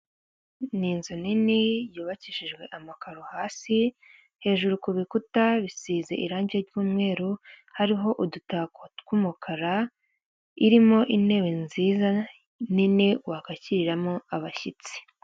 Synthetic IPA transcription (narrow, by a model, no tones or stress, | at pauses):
ninzoninijuːβaciʃiʒɡwe̞ʔamakaɾohaːsi | he̞ːʒuɾukuβikutaβisiːze̞̰ʔiɾaːɲɟeɾɟuːmŋe̞ːɾuhaɾiɦo̞ʔudutakokumukʰaɾa | iɾimo̞ʔine̞ːwenziːza | niniwakaciɾiɾamoaβaçit͡si̥